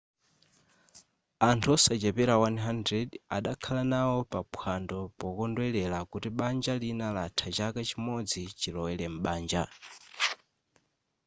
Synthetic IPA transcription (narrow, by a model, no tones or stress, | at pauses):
antʰuɔsad͡ʒɛpɛɾawanɦandɾɛda̰ɗakʰalanawɔpapʰwandɔpɔkɔndwɛlɛlakutiɓand͡ʒalinalatʰat͡ʃakat͡ʃimɔd͡zit͡ʃilɔwɛlɛm̩ɓaːnd͡ʒa